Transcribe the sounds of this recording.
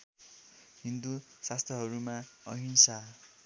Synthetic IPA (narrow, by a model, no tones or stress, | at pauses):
ɦind̪usast̪ʰjʌɦʌɾumaʌɦinsa